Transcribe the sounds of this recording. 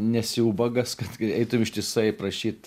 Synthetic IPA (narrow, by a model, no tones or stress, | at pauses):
nʲɛsʲɪuːbɐɡɐskɐt̪ɛɪt̪ʊmɪʃt̪ʲɪsɐɪpɾɐʃʲiːt̪